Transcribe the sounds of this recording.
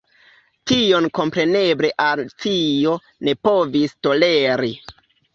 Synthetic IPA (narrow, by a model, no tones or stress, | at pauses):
tio̞nko̞mpɾe̞ne̞bleʔalt͡sio̞ | ne̞po̞visto̞leɾi